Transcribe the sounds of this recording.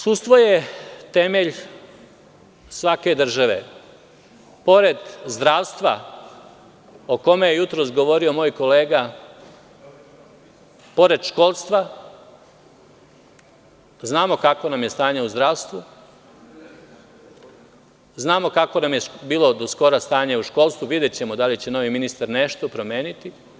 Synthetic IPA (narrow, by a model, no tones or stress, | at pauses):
sust̪ʋojet̪emeʎ | sʋake̞d̪r̩ʒaʋe̞̰ | po̞ɾed̪zd̪ɾaːʋst̪ʋa | oko̞mejejut̪ɾo̞sɡo̞ʋo̞ɾio̞moːjko̞leːɡa | po̞ɾe̞d̪ʃko̞ːlˠst̪ʋa | znaːmo̞kako̞namje̞st̪aːɲeuzd̪ɾaːʋst̪ʋu | znaːmokako̞namje̞biːlo̞d̪osko̞ɾast̪aːɲeuʃko̞lˠst̪ʋuʋid̪jet͡ɕe̞mo̞d̪alit͡ɕe̞no̞ʋiminist̪aɾne̞ʃt̪opɾo̞mjeːnit̪i